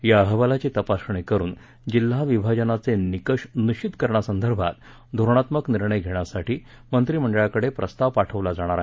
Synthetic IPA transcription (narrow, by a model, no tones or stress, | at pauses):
jaəɦəʋalat͡ɕiːt̪əpasɳikəɾuːn | d͡ʑilːaʋibʱad͡ʑənat͡senikəʂniɕit̪kəɾɳasənd̪ʱəɾbʱa̰t̪ | d̪ʱoɾɳ̃at̪məkniɾɳəjɡʱeɽ̃jasaʈʰiː | mənt̪ɾiːm̤əɳɖəɭjakəɽepɾəst̪aʋpaʈʰəʋlad͡zaɽ̃aɾaɦ